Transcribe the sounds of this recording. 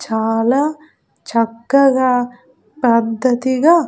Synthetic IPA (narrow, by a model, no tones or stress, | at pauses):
t͡ʃaːlɐ | t͡ʃɐkːɐɡɐ | pɐd̪ʱːɐt̪iɡɐ